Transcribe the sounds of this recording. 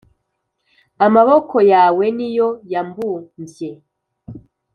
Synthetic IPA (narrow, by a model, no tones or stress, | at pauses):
amaβokʰo̞jaːwe̞nijojambumbje